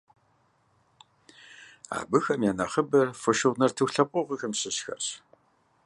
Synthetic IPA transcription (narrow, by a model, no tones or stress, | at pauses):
a̰ːbɨxɐmjaːnɐχəbɐrfɔʃɨʁnɐrtʰɨxɬɐpʷʼɔʁəxɨmɕʼɪɕxɐ̰r